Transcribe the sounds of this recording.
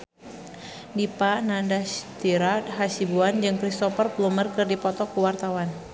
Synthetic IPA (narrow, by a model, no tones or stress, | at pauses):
dipanandast̪iɾat̪̚ɦasibuand͡ʒɨŋkɾist̪ɔfərplumərkɨrdipɔt̪ɔkuwart̪awan